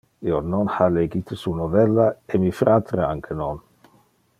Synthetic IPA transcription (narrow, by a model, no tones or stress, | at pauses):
iononhaleɡit̪esunovɛlːaemifɾʔat̪ɾea̰ŋkʰenon